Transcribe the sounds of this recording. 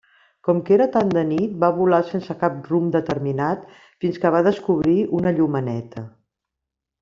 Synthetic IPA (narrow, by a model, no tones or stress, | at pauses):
kɔmkeɾət̪and̪ənit̪̚baβulasensəkap̚rumd̪ət̪əɾminat̪ | finskəβ̞aðəskuβ̞ɾiʔunəʎumənɛt̪ʰə